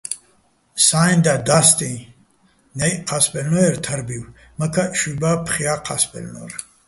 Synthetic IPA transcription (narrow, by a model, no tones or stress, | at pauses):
sajnd̪ad̪ast̪ʼĩ | nɛjqʰaspʼɛlnɔɛɾt̪ʰəɾbiw | məkʰaʃubapʰχiaqʰaspʼɛ̰lnɔ̰ɾ